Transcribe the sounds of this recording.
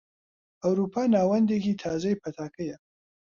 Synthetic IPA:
ʔɐwɾuːpʰaːnaːwɐnd̪ekiːt̪ʰaːzɐjpʰɐt̪ʰaːkʰɐjɐ

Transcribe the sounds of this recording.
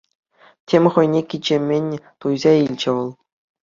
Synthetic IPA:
tʲemʲχɤ̆jnʲekʲid͡ʑemʲːenʲt̪ujzɑilʲd͡ʑɘ̆ʋɤ̆lˠ

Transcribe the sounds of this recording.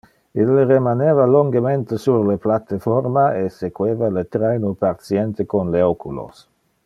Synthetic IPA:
ilːeremanevaloŋɡement̪esuɾleplat̪efɔɾmaesekweːvalet̪ɾɛjnupaɾt̪sjɛnt̪ekonleokulo̰s

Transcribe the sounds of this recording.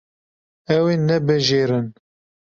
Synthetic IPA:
ɛweːnɛbɨʒeːɾɨn

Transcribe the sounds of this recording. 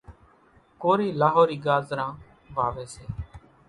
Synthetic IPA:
koːɾiːlaːɦoːɾiːɡaːzɾãː | ʋaːʋeːseː

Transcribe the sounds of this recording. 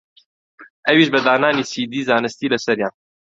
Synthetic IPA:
ʔɛwiːʃbəd̪aːnaːniːsiːd̪iːzaːnɨst̪iːlɐsɛɾjaːn

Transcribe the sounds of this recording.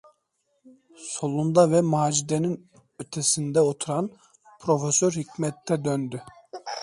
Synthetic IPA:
so̞lˠund̪avɛmaːd͡ʒid̪enin | øt̪ʰɛsind̪ɛot̪ʰuɾan | pʰɾo̞fesøɾhicmɛt̪ʰːɛd̪ønd̪y

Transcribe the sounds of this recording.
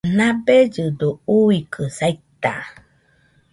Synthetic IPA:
nãbed͡ʒɨd̪ouikʰɯsait̪a̰

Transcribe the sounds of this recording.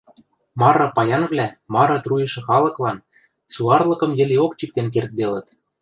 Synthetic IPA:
mɑɾɤ̆pɑjɑnvlʲæmɑɾɤ̆t̪rujɤ̆ʃɤ̆xɑlˠɤ̆klˠɑn | suɑrlˠɤ̆kɤ̆mjɘ̆leok̚t͡ɕik̚t̪enk̬ert̪̚d̪elə̆t̪

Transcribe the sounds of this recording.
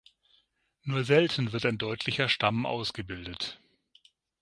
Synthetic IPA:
nuːɐzɛltn̩vɪɐtaɪndɔʏtʰlɪçɐʃtamʔa̰ʊsɡ̥əbɪldət

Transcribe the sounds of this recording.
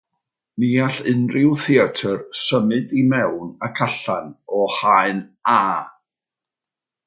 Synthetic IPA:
niːaɬɪnrɪwθiatʰərsəmɨdimɛwnakʰaɬanɔhaɨnaː

